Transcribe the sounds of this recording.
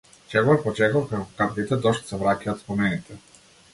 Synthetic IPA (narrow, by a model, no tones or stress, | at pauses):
t͡ʃɛɡɔɾpɔt͡ʃɛɡɔkakɔkaplit̪ɛd̪ɔʃlsɛvɾacaːt̪spɔmɛnit̪ɛ